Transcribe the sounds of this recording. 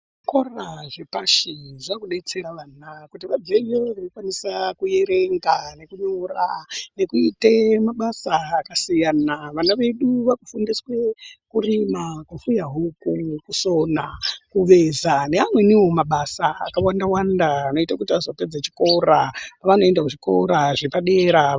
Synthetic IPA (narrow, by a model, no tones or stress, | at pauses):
koraʐepaʃiʐakuɗe̞t͡se̞ɾaʋaːnakutiʋad͡zeʋeʋanokwanisakuje̞ɾeŋɡane̞kuɲorane̞kuitemaɓasaːkasijanaʋanaʋe̞ɗuʋakufundiswe̞kurimakufujaɦukukuso̞nakuʋe̞zane̞amwe̞niwo̞maɓasaːkawandawandaːno̞itakutiazoped͡zat͡ʃi̥ko̞ɾaaʋano̞e̞ndakuʐiko̞̰ɾaʐepaɗe̞ɾa